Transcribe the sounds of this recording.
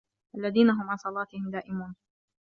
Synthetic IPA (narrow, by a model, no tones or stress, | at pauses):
ʔalːaðiːnaɦʊmʕansˤɑlɑːt̪ɪhɪmd̪aːʔɪmuːn